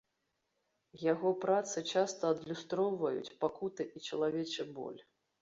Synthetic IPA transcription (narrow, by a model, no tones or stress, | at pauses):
jaɣɔpɾat̪sɨt͡ʂast̪ɐːd̪lʲust̪ɾɔwvɐjṵt͡sʲpakut̪ɨʔit͡ʂɐlˠavʲɛt͡ʂɨbɔ̰lʲ